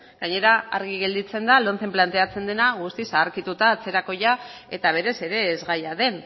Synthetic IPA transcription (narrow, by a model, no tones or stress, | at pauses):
ɡ̥aɲe̞ɾaa̰ɾɣiɣe̞ld̪it͡se̞nd̪alo̞nt͡se̞mplant̪e̞at͡se̞nd̪e̞naɣ̞ust̪isaːɾkit̪ut̪aːt͡se̞ɾako̞ja | e̞t̪aβ̞e̞ɾe̞se̞ɾe̞ːzɣajaðe̞n